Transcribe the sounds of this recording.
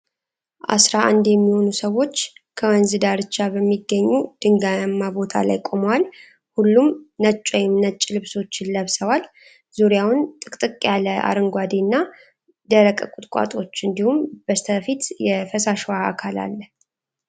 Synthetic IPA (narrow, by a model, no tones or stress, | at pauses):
ʔa̰sɾaʔand̪jɛmːiho̞nusəwːo̞t͡ʃːkʰəwənzɨd̪aɾɨt͡ʃːabəmːiɡːəɲːud̪̥ɨŋɡamːabo̞t̪ʰa̰la̰jkʼo̞mwal | hulːumnət͡ʃʼːojɪmnət͡ʃʼːlɨβso̞t͡ʃːɪnləβsəwal | zuɾjawʊnt̪ʼɨkʼt̪ʼɨkʼjaləʔa̰ɾɨŋɡʷad̪inːa | d̪əɾəkʼəkʼʊt̪ʼkʼa̰t̪ʼo̞t͡ʃːɨnd̪ihumb̥əst̪ʰəfit̪jɛfəsaʃwaakʰala̰lːə